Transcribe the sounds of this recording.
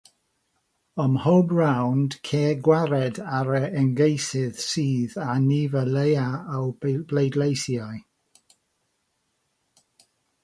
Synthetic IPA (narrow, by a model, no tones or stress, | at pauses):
əmhɔbrawnd̥kʰeːɡwaɾɛdaɾəɛnɡejsɪð̥siːðanivəlejaːwblejdlejθjaj